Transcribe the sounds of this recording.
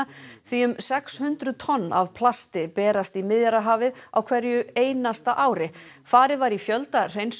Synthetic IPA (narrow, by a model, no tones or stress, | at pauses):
aθiʏmsɛkshʏnt̪ɾʏðt̪ʰɔnːa̰vpʰlast̪ɪpɛːɾast̪imɪðjaɾaɦaːvɪða̰wkʰvɛɾjʏeːjnast̪aʔaːwɾɪ | faːɾɪðvaɾifjœlt̪ar̥ejns